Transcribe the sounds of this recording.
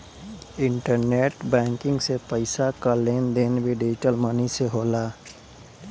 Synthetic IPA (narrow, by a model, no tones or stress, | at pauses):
ɪ̃ɳʈəɾneːʈbɛ̃ːŋkɪ̃ŋɡsepəɪsakaleːnd̪eːnbʱiɖɪd͡ʒɪʈəlməniseɦoːlaː